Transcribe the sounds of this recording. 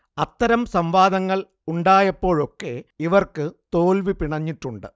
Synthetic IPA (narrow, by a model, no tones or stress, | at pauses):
ɐt̪ːɐɾɐmsɐmʋaːd̪ɐŋːɐɭ | uɳɖaːjɐpːo̞ːɻo̞kːe̞iʋɐrkɨt̪o̞ːlʋipiɳɐɲːiʈːuɳɖɨ